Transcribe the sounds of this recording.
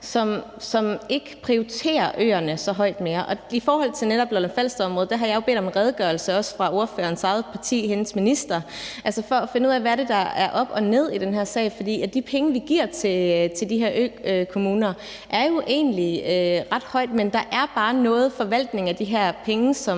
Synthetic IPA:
sɒ̽msɒ̽me̝ɡ̥əpʰʁioit͡sʰe̝̰ːɐʔø̰ːɐnəsɒ̽ɦɒɪ̰d̥me̝ːɐʔɒ̽ifɒːhɒ̽l̰t͡sʰe̝lneɾ̥ɒb̥læd̥enfæl̰sd̥əɒ̽mʁɔ̽ðˠd̥ɑ̈ɦɑ̈jɑ̈jo̝b̥e̝̰ːd̥ɒ̽menʁɛð̞ˠɡ̥ɶɐlsəɒ̽sfʁɑ̈o̝ɐfø̰ːɐnsɑ̈ɪð̞̩ˠpʰɑ̈t͡sʰḭːɦen̩sminisd̥ɐ | ʔælsəfɒ̽ːfe̝nəuð̰ˠæʋæɐɾe̝d̥ɑ̈æɐʔɒ̽b̥ɒ̽ne̝ð̰ˠid̥enɦæɐ̰sɛ̰ɪ̰fɒ̽d̥ḭːæd̥ipʰeŋəʋiɡ̥iɐ̰t͡sʰe̝t͡sʰe̝ld̥iɦæɐ̰ʔø̰ːøkʰo̝muːnɐ | ʔæɐjo̝ʔe̝̰ːnliøʁɑ̈d̥hɒ̽ɪd̥mend̥ɑ̈ʔæɐb̥ɑ̈ːnɔ̽ːð̞̩ˠfɒ̽ʋæl̰d̥ne̝ŋæd̥iɦæɐ̰pʰeŋəsɒ̽

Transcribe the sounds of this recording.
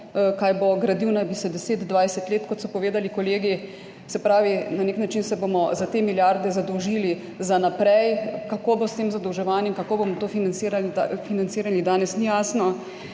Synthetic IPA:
kaːjboɡɾad̪iwnajbisɛd̪ɛseːd̪d̪ʋajsɛt̪leːt̪kɔt̪sɔpɔʋeːd̪alikɔleːɡi | sɛpɾaːʋinaneknat͡ʃinsɛbomɔzat̪eːmiljaːɾd̪ɛzad̪ɔwʒiːli | zanapɾɛjkakoːbost̪eːmzad̪ɔwʒɛʋaːnjɛmkakoːbomɔt̪oːfinansiɾaliafinansiːɾalid̪aːnɛsnijaːsnɔ

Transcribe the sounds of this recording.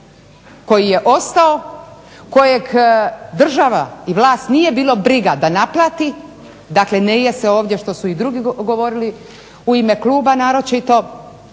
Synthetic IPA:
ko̞jije̞ʔo̞st̪ao̞ | ko̞je̞ɡd̪r̩ʒaʋaiʋlˠaːst̪nije̞biːlˠo̞bɾiɡad̪anaplˠaːt̪i | d̪akle̞nejeseo̞ːʋd̪ʲjeʃt̪o̞suid̪ɾuɡiɡo̞ʋo̞ɾili | uime̞kluːbanaːɾo̞t͡ʃit̪o̞

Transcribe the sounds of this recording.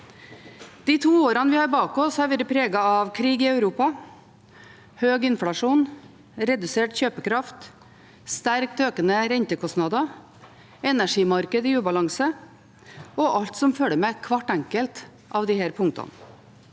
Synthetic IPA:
d̪̥iːt̪ʰuːoːɾɑnʋɪːhɑːɾbɑːkɔshɑɾʋeːɾəpʰɾeːɡɑɑʋkʰɾiːɡɪœʉɾuːpɑ | høːɡɪnfɽɑʂuːn | ɾɛd̪ʉseːʈçøːpəkʰɾɑft̪ | st̪æɾk̚t̪øːkənəɾɛɲt̪əkʰɔst̪nɑːd̪ɑ | ɛnæʂiːmɑɾkəd̪ɪjʉːbɑlɑŋsə | ɔʔɑʎt̪sɔmføːləmɛkʰʋɑʈæŋkəlt̪ | ʔɑʋd̪iːhæːɾpʰʊŋt̪ɑ̰n

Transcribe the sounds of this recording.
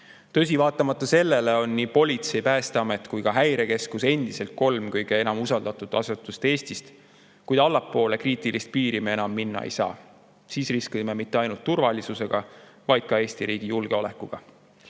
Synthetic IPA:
t̪ø̞s̬ʲivɑːt̪ːˑɑmɑt̪ːˑɑse̞lːe̞le̞o̞nːiːpo̞lʲit̪se̞jpæːst̪eɑme̞t̪ːˑkujkɑɦæjɾe̞ke̞skuse̞nd̪̥i̥se̞lt̪̚ko̞lmkɤjɡe̞e̞nɑmusɑld̪̥ɑt̪ːˑut̪ːˑɑ̰sut̪ːˑust̪e̞ːst̪ist̪ | kujd̪ɑlːɑpːo̞ːle̞kriːt̪ilist̪̚piːɾimeenɑmːinːɑ̰ḛjsɑ̰ː | siːsriskujmemit̪ːeɑjnult̪ːurvɑlʲisuse̞ɡ̥ɑvɑjd̪̥̚kɑe̞ːsʲt̪iɾiːɡ̥ijulɡ̥e̞o̞le̞kːuɡ̥ɑ

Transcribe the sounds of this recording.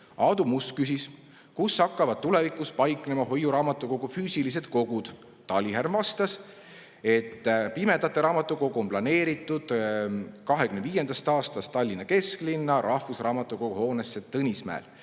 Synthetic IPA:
ɑd̪umuskys̬is | kusːɑkˑːɑvɑd̪̚t̪ule̞vikuspɑjknemɑɦo̞jːuɾɑːmɑt̪ːˑuko̞ɡ̥ufyːsʲilis̬e̞d̪̥̚ko̞ɡ̥ud̪̥ | t̪ːɑlʲːiɦærmvɑst̪ɑs | e̞t̪ːpime̞t̪ɑt̪ːˑeɾɑːmɑt̪ːˑukuo̞ɡ̥uomplɑne̞ːɾit̪ːˑud̪̥ | kɑɦekymne̞viːje̞nd̪̥ɑst̪ɑːst̪ɑst̪t̪ːɑlʲːinɑke̞sklinːɑɾʔɑhfusrɑːmɑt̪ːˑuko̞ɡ̥uho̞ːne̞sːe̞t̪ːɤnʲismæ̰ḛl

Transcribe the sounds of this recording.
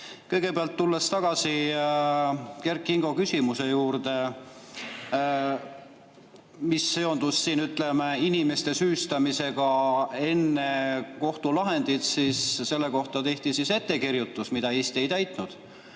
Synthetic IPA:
kɤjɡ̥e̞peɑlt̪ːulːest̪ɑɡ̥ɑsi | ke̞rkˑːiŋɡ̥o̞kysʲimuse̞juːɾd̪e̞ | misːe̞o̞nd̪̥usːiːnyt̪ˑlemɑinimest̪e̞syːst̪ɑmise̞ɡ̥ɑe̞nːe̞ko̞ht̪ulɑɦend̪̥it̪siːsːe̞lːe̞ko̞ht̪ɑt̪e̞ht̪isise̞t̪ːe̞kiɾjut̪ːˑusmid̪̥ɑest̪ie̞jt̪æjt̪ˑnud̪̥

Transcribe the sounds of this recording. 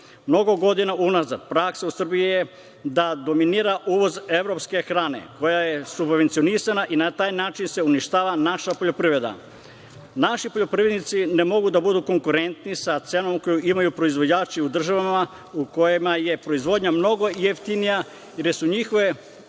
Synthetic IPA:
mno̞ɡo̞ɡo̞d̪inaʔunaza̰d̪pɾaksausr̩bijije | d̪ad̪o̞miniːɾaʔuːʋo̞ze̞ʋɾo̞pske̞xɾaːne̞̰ko̞jaje̞subʋe̞nt̪io̞nisanaʔinat̪aːjnaːt͡ʃinse̞uniʃt̪aːʋanaʃapo̞ʎo̞pɾiːʋɾed̪a̰ | naʃipo̞ʎo̞pɾiʋɾed̪nit̪sine̞mo̞ɡud̪abud̪uːko̞ŋkuɾe̞nt̪nisat̪senomko̞juʔimajupɾo̞izʋo̞d͡ʑaːt͡ʃiud̪r̩ʒaʋama | uko̞jimaje̞pɾo̞izʋo̞d̪ɲamno̞ɡo̞jeft̪inija | iɾjesuɲixoʋe̞

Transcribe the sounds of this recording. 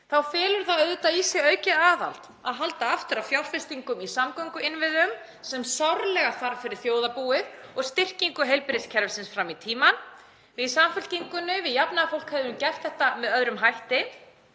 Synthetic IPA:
θawfɛːlʏɾ̥θaœɥðʏt̪aisjɛœɥcɪðaːða̰lt̪ | aðɦalt̪aaft̪ʏɾawfjawr̥fɪst̪iŋkʏmisamkɔwŋkʏɪnvɪðʏm | sɛmsɔɾlɛɣaθaɾfɪɾɪɾ̥θjoːwðapuːɪð | ɔɣst̪ɪr̥ciŋkʏɦejlpɪɾescʰɛɾvsɪnsfɾamit̪ʰiːman | vɪðsamfʏlciŋkʏnʏvɪðjapnafowl̥khɛðʏɾʏmcɛft̪θɛht̪amɛðœðɾʏmɦajht̪ɪ

